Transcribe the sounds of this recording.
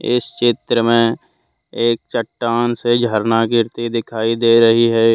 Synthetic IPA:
ɪ̰st͡ʃɪt̪ɾəmẽ | eːk̚t͡ʃəʈːaːnsed͡ʒʱəɾnakɪɾt̪id̪ɪkʰaːid̪eːɾəɦiɦɛ

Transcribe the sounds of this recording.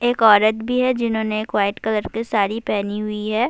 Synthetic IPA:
eːkɔːɾət̪bʱiɦɛd͡ʒɪnɦõːneːkʋaːɪʈkɐləɾkesaːɾipɛːniɦʊiɦɛː

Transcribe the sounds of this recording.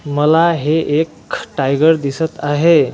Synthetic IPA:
məlaɦeʔekʈajɡəɾd̪isət̪aɦe

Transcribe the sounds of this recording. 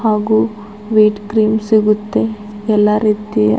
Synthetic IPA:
ɦaːɡu | ʋiːʈkɾiːmsiɡut̪ːe̞ | ɛlːaɾiːt̪iɐ̰

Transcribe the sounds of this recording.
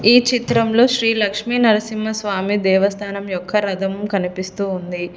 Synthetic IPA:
iːt͡ʃit̪ɾɐmlo̞ːʃɾiːlɐkʂmiːnɐɾɐsimːɐsʋaːmid̪ɛːʋɐst̪ʰaːnɐmjɔkʰːɐɾɐd̪ɐmkɐnipist̪uːnd̪i

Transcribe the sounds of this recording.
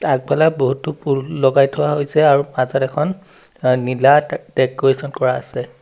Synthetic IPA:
ak̚bɛlaboɦutupulːɔɡajtʰʊwaɦojsɛaɹumazɔtɛkʰɔn | nilatɛkwesɔnkɔɹa̰ːsɛ

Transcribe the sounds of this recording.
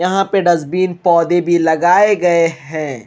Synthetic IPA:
jɐɦãpeɖɐzbiːnpɔːd̪ebʱilɐɡaːeɡɐeɦɛ̃ː

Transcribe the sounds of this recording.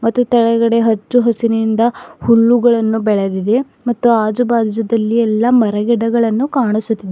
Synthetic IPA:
mɐt̪ːut̪ɛɭɐɡɐɽe̞ɦɐt͡ʃːuɦɐsinind̪ɐhuɭːuɡɐɭɐnːubɛɭɐd̪id̪e̞ | mɐt̪ːuaːd͡ʒubaːd̪id͡ʒɐd̪ɐlːiɛlːɐmɐɾɐɡɛɖɐɡɐɭɐnːukaːɳisut̪ːid̪e

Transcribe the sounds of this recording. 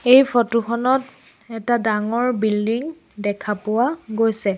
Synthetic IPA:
ejfʰɔtuxɔnɔt | ɛtadaŋɔɹbildiŋ | dɛkʰapʊwaɡojsɛ

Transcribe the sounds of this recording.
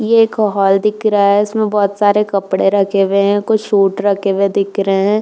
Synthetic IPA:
jeːkɔɦɔːld̪ɪkʰɾaɦɛɪsmẽbɔːt̪saːɾekɐpɽeɾɐkʰeweɦɛ̃kʊt͡ʃʃuːʈɾɐkʰewed̪ɪkʰɾəɦeɦɛ̃ː

